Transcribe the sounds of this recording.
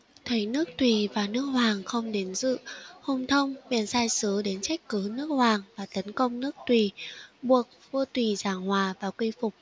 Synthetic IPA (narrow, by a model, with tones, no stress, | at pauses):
t̪ʰə˨˦jnɨ˦˥ək̚t̪wi˨˩vaː˨˩nɨ˦˥ək̚hwaː˨˩ŋxə˧wŋ͡mɗe˨˦nzɨ̰˧˨ho˧ŋ͡mt̪ʰə˧wŋ͡mɓḭ˧˩ənsaː˧jsɨ˨˦ɗe˨˦nt͡ɕɛ˦˥k̟̚kɨ˨˦nɨ˦˥ək̚hwaː˨˩ŋvaː˨˩t̪ə˨˦nkə˧wŋ͡mnɨ˦˥ək̚t̪wi˨˩ɓu˨˩ək̚vɨ˧t̪wi˨˩zaː˧˩ŋhwaː˨˩vaː˨˩kwi˧fʊ˨˩k͡p̚